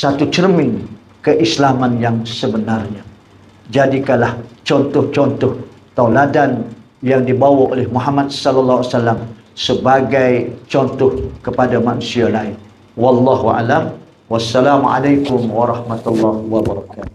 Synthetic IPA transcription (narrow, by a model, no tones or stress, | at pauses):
sat̪ut͡ʃərmɪŋ | kəʔislamanjaŋsəbənarɲa | d͡ʒadikanlaht͡ʃɔnt̪ɔht͡ʃɔnt̪ɔht̪awladan | jaŋdibawaʔolɛhmuɦamat̪̚sɔlalːaɦasalːam | səbaɡajt͡ʃɔnt̪ɔhkəpadamanusialain | wɑlːɑɦua̰lam | wasːalamʕa̰lajkʊmwaɾɑhmat̪ulːahwabaɾɑkat̪u̥